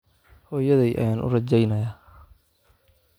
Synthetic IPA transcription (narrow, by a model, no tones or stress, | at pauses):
hɔːjɐðɛjʔɐ̰jaːnʔʊ̰rɐt͡ʃɛjnɐjaː